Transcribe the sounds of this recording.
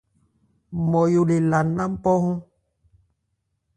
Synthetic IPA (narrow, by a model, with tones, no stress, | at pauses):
mɔ˨jo˨le˨la˨na˦m̩˦pɔ˦hũ˦